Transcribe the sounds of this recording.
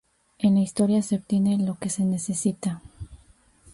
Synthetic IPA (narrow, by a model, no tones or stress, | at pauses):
e̞nlaist̪o̞ɾjase̞ob̚t̪je̞ne̞lo̞ke̞se̞ne̞se̞sit̪a